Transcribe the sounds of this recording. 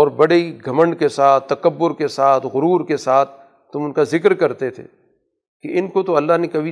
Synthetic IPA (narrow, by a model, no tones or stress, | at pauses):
ɔːɾbɐɽeiɡʱɐmə̃ɳɖkesaːt̪t̪ːɐkəbːʊɾkesaːt̪ʰɣʊɾuːɾkesaːt̪ʰː | ʊmʊnkazɪkɾkɐɾt̪et̪ʰḛː | keɪnkot̪oɐlːaɦnekɐbʱi